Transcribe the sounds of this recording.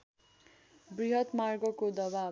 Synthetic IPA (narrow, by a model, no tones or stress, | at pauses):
briɦʌt̪marɡʌkod̪ʌba